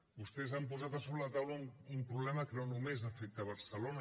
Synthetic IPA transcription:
bust̪ɛzampuzat̪əsoβlələt̪awləumpɾuβlɛməkənonumezəfɛk̚t̪əβ̞əɾsəlonə

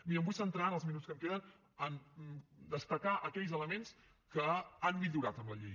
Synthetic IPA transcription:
miɾəmbujsənt̪ɾaənəlˠzminutskəmkeðən | ən | d̪əst̪əkaʔəkɛʎzələmens | kəanmiʎuɾat̪əmləʎi

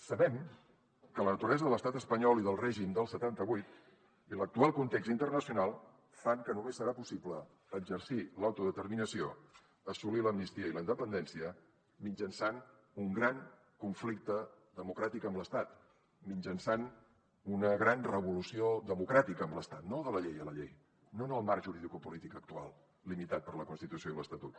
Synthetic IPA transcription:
səβɛm | kələnət̪uɾɛzəðələst̪at̪əspəɲɔliðəlˠrɛʒimd̪əlˠsət̪ant̪əβujt̪ | ilək̚t̪ualˠkunt̪eksint̪ərnəsiunalˠ | faŋkənumesːəɾapusipləː | ɡd͡ʒərsilawt̪uðət̪ərminəsio | əsuliləmnist̪iəiləind̪əpənd̪ɛnsiə | mid͡ʒənsan | uŋɡɾaŋ | kuɱflik̚t̪ə | ðəmukɾat̪ikəmbləst̪at̪ | mind͡ʒənsan | unəɣɾanrəβulusioðəmukɾat̪ikəːmləst̪at̪noðələʎejələʎḛj | nonəlˠmaɾʒuɾiðikupulit̪ikək̚t̪ua̰lˠ | limit̪at̪̚pəɾləkunst̪it̪usijoiləst̪ət̪ut̪

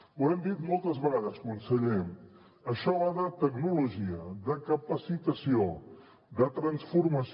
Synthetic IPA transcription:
uɛmd̪it̪mɔlˠt̪əzβəɣaðəskwansəʎɛm | əʃɔaðət̪əknuluʒiəðəkəpəsit̪əsio | d̪ət̪ɾənsfuɾməs

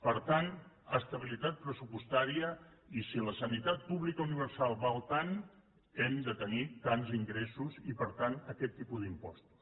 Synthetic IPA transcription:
pəɾt̪an | əst̪əβ̞ilit̪at̪̚pɾəsupust̪aɾiəisiləsənit̪at̪̚puβlikəuniβ̞əɾsalˠβalˠt̪an | ɛmd̪ət̪ənit̪anziŋɡɾesuzipəɾt̪anəkɛt̪ːipuðimpɔst̪u̥s

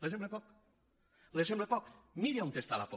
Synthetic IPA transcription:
lesemblepɔk | lesemblepɔk̚miɾiont̪est̪alapo

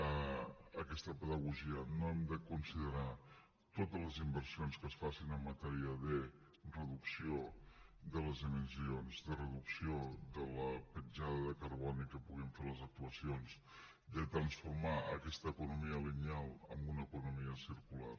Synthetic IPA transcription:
əəkɛst̪əpəðəɣuʒiənoɛmd̪əkunsiðəɾa | t̪ot̪əzləzimbərsionskəsfasinəmːət̪ɛɾiəðə | rəðuksioðələzðiminsionzðərəðuksioðələpəd͡ʒaðəðəkəɾβɔnikəpuɣ̞iɱfeləzək̚t̪uəsions | ðət̪ɾənsfuɾmaəkɛst̪əːkunumiəliɲalˠə̰mbunəkunumiəsiɾkula̰r

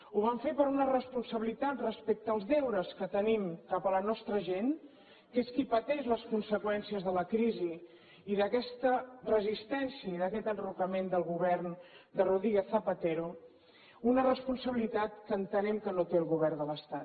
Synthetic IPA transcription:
uβaɱfepəɾunərəspunsəβilit̪at̪rəspek̚t̪əːlˠzðɛwɾəskət̪ənimkapələnɔst̪ɾəʒen | keskipət̪ɛʒləskunsəkwɛnsiəzðələkɾiziː | ðəkɛst̪ərəzist̪ɛnsiəiðəkɛt̪ənrukəmend̪əlˠɣuβɛrnd̪əruðɾiɣeθːəpət̪eɾo | unərəspunsəβilit̪at̪̚kəːnt̪ənɛmkənot̪eəlˠɣuβɛrnd̪ələst̪at̪

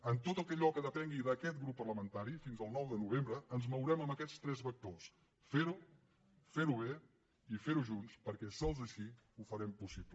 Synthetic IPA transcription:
ənt̪ot̪əlˠkɛʎɔkəðəpɛŋɡiðəkɛt̪̚ɡɾupːərləmənt̪aɾifinzəlˠnɔwðənuβ̞embɾəənzməwɾɛməməkɛt͡st̪ɾɛzβək̚t̪os | feɾu | feɾuβ̞e | ifeɾuʒunspəɾkɛsɔlˠzəʃi | ufəɾɛmpusiplə

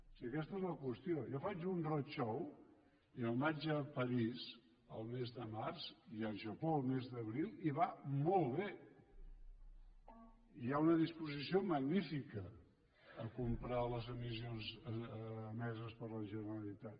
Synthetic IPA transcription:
siəkɛst̪əezləkwəst̪iojɔfat͡ʃunrot͡ʃɔw | iəlˠmad͡ʒəpəɾiz | əlˠmezðəmarziəʒəpolˠmezðəβɾilˠiβamɔlˠβe | iaunəðispuzisioməɡnifikəː | kumpɾaləzəmizionzː | mɛzəspəɾləʒənəɾəlit̪at̪

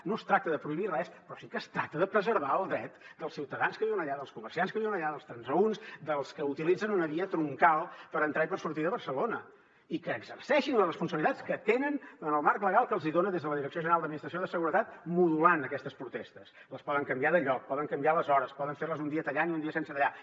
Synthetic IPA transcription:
nost̪ɾak̚t̪əðəpɾuiβirɛspɾɔsikəst̪ɾak̚t̪əðəpɾəzəɾβaəlˠd̪ɾɛt̪d̪əlˠsiwt̪əðanskəβiwənəʎaðəlˠskumərsianskəβiwənəʎaðəlˠst̪ɾənzəunsd̪əlˠskəut̪ilid͡zənunəβiət̪ɾuŋkalˠpəɾənt̪ɾaipəɾsuɾt̪iðəβərsəlonə | ikəːɡzərsɛʃinlərəspunsəβilit̪at͡sskət̪enənənəlˠmaɾkləɣalˠkəlˠziðonəðezðələðiɾəksioʒənəɾalˠd̪əd̪minist̪ɾəsioðəsəɣuɾət̪at̪̚muðulanəkɛst̪əspɾut̪ɛst̪əs | ləspɔðəŋkəmbiaðəʎɔk̚pɔðəŋkəmbialəzɔɾəspɔðəɱfeɾləzund̪iət̪əʎaniund̪iəsensət̪əʎa

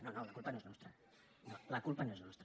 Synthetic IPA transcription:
nonolɐkulˠpɐnoeznɔst̪ɾɐ | nolɐkulˠpɐnoeznɔst̪ɾ

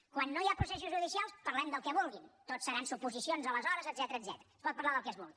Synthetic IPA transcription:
kwanːojapɾusɛs̬uzʒuðisialˠspəɾlɛmd̪əlˠkɛβulˠɣint̪otsːəɾansupuzisionzələzɔɾəzəd̪zɛt̪əɾəːd̪zɛt̪əɾəːspɔt̪̚pəɾlaðəlˠkɛzβulˠɣi

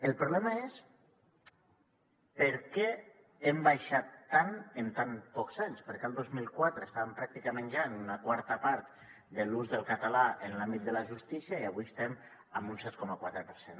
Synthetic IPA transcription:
əlˠpɾuβlɛmaes | pəɾkɛ | embajʃat̪ːanent̪anpɔkzaɲspəɾkealˠd̪ozmilˠkwat̪ɾeːst̪aβəmpɾak̚t̪ikamẽnʒanunakwaɾt̪əpaɾt̪ | d̪əluzðəlˠkat̪alaenlambit̪̚d̪əlaʒust̪isiaiaβuiəst̪ɛm | əmbunsɛt̪kɔməkwat̪ɾəpəɾsen

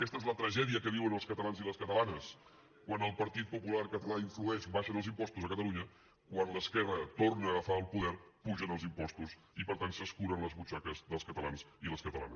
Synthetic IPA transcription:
əkɛst̪əezlət̪ɾəʒɛðiəkəβiwənəlˠskət̪əlanziləskət̪əlanəs | kwanəlˠpəɾt̪it̪̚pupulaɾkət̪əlaiɱfluɛʃbaʃənəlˠzimpɔst̪uzəkət̪əluɲə | kwanləskɛrət̪ornəːɣəfaəlˠpuðɛɾpuʒənəlˠzimpɔst̪us | ipəɾt̪ansəskuɾənləzβut͡ʃakəzðəlˠskət̪əla̰nziləskət̪əlˠa̰nəs

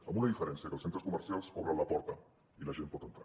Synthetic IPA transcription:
amunaðifeɾensjaɐkəlsent̪ɾoskuməɾsjalˠskoβɾanlapɔɾt̪a | ilaʒenpot̪ent̪ɾa

